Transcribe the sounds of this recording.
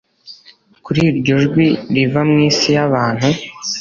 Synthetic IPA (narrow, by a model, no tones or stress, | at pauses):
kuɾiɾɟoʒɡwiɾivamŋiːsijaβaːn̥hu